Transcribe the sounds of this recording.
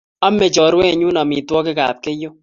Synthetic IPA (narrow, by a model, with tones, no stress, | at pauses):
a˦me˨t͡ʃɔ˨ɾwɛ˦˨ɲu˦na˨mi˨twɔ˦kɪ˦ka̰˨p̚ke˦jo˦